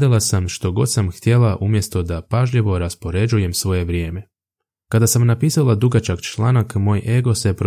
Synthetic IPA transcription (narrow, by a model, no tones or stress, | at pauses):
d̪alˠasamʃt̪o̞ɡo̞̰d̪samxt̪je̞lˠaʔumje̞st̪o̞d̪apaʒʎeʋo̞ɾaspo̞ɾe̞d͡ʒuje̞msʋo̞je̞ʋɾje̞ːme̞ | kad̪asamnapiːsalˠad̪uɡat͡ʃaɡt͡ʃlˠaːnakmo̞ːjʔe̞ɡo̞sepɾ